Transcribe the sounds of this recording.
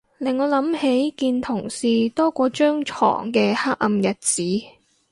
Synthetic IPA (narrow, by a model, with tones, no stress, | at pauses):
lɪ˨˩ŋːɔː˨˧lɐ˨˥mhe˨˥jkiː˧nt̪ʰʊ˨˩ŋsiː˨t̪ɔː˥kʷɔː˧t͡ʃœː˥ŋt͡ʃʰɔ̰ː˨˩ŋkɛː˧haː˥k̚ʔɐ˧mjɐ˨t̚t͡siː˨˥